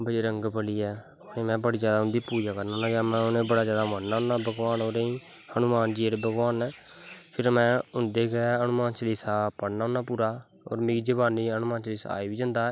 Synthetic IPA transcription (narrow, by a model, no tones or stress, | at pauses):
bəeːɾəŋɡbəliːɛː | oːɾẽːmɛ̃ːbəɽiːd͡ʒjaːd̪aːɦʊ̃nd̪iːpuːd͡ʒaːkəɾnaːnaːɡaːmɛ̃ːʊnẽːbəɽaːd͡ʒjaːd̪aːmənːaːʊnːaːbʱəɡʋaːnoːɾeĩː | hənʊmaːnd͡ʒiːeːɽeːbʱəɡʋaːnɛː | pʰɪɾmɛ̃ːʊnd̪eːɡɛːənʊmaːnt͡ʃəlisaːpəɽnaːɦʊnːaːpuːɾaː | o̰ːɾmɪɡd͡ʒəbaːnːiːənʊmaːnt͡ʃəliːsa̰a̰ːiːbiːd͡ʒənd̪aːɛː